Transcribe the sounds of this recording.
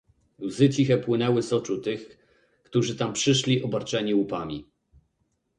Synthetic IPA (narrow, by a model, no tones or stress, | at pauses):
luzɘt͡ɕixɛpwɘnɛwɘsɔt͡ʂut̪ɘx | kt̪uʐɘt̪ampʂɘʂlʲiʔɔbaɾt͡ʂɛɲiwupamʲi